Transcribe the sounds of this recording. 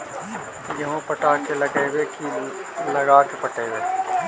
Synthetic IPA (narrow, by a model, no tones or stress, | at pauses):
jɐɦõpəʈaːkeləɡeːwekʰiːlləɡaːkepɐʈeːweː